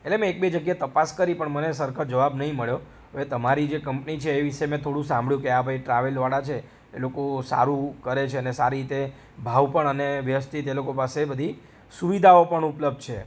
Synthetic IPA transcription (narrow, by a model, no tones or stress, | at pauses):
elemɛ̃ek̚bed͡ʒəɡjat̪əpaskəɾipəɳmənesəɾkʰəd͡ʒəʋabnəɦĩməɭjo | əʋet̪əmaɾid͡ʒekəmpnit͡ʃʰeːʋiʃemɛ̃t̪ʰoɽũsãmbʱɭjũkeabʱaiʈɾaʋelʋaɽat͡ʃʰḛː | lokosa̰ɾũkəɾet͡ʃʰeənesaɾiɾit̪e | bʱaʋpəɳəneʋjəəst̪it̪elokopasebəd̪ʱi | suʋid̪ʱaopəɳupləb̚d̪̚t͡ʃʰe